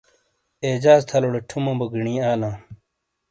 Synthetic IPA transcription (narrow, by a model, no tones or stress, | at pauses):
eːd͡ʑaːzt̪ʰɐloɽeʈʰumɐ̃ːbɐɡiɳĩːaːlãː